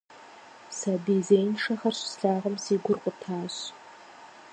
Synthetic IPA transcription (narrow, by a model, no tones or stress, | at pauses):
sabizeːjnʂɐχɐrɕsɬaːʁɐmsiːɡʷʊrqʷʼʊtʰaːɕ